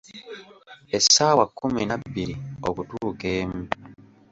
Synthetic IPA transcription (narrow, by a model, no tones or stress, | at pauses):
esːaːwakːuminabːiɾio̰kutuːkeːmu